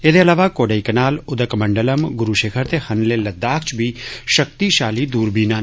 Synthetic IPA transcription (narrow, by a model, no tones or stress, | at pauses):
eːd̪eɐlaːʋakoːɖaːikɐnaːlʊd̪əkmɐ̃ɳɖələmɡʊɾuʃeːkʰəɾt̪ehɐnlelɐd̪ːaːkʰt͡ʃbʱiʃək̚t̪iʃaːlid̪uːɾbiːnaːn